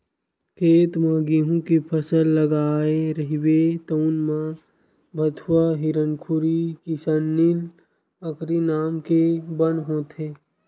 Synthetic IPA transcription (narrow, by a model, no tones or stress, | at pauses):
kʰeːt̪maɡiɦũkipʰəsəlːəɡaːeɾəɦiwet̪ənmã | bʱət̪ʰwaɦiɾənkʰʊɾikisənːil | əkɾinaːmkebənɦõːt̪ʰeː